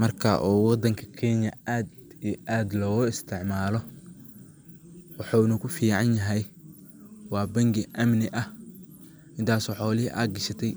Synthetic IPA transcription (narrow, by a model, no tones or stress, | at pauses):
mɐrkʰɐ̰ʔɔːwɑd̪ɐŋkʰɐ̥kʰɛnjɐaːd̪ijʔaːd̪lɔːɣʊɪst̪ʰɪʕmaːlɔ | wɑħɑɪnukʰʊfiːʕɑnjɐɦɛj | wɑːbɐŋɡɪʔɐmnɪʔɐh | ʔɪnt̪ʰaːsɔħɔːlɪʔa̰ːɡɐʃɐt̪ʰɛj